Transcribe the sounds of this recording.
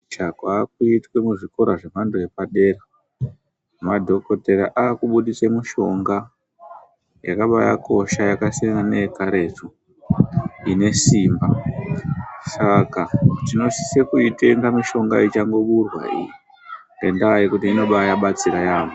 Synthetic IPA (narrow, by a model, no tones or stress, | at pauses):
t͡ʃakwak̚uitwe̞muʐiko̞ɾaʐemanduepaɗe̞ːra | madʱo̞ko̞te̞ɾa̰ʔaːkuɓuɗisemuʃo̞ŋɡa | jakaɓaja̰ko̞ʃajakasianeekaɾe̞t͡su | ine̞simba | sakatino̞si̥sekuite̞ŋɡamiʃo̞ŋɡa̰it͡ʃaŋɡo̞ɓurwa̰ḭji | ŋɡendajekutiːno̞ɓajaɓat͡siɾajaːmu